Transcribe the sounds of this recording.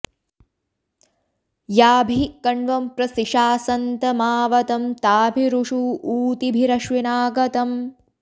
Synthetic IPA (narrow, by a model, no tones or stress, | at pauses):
jaːbʱikɐɳɖʋɐmpɾɐsiʃaːsɐnt̪ɐmaːʋɐt̪ɐmt̪aːbʱiɾuʂuːuːt̪ibʱiɾɐʃʋinaːɡɐt̪ɐm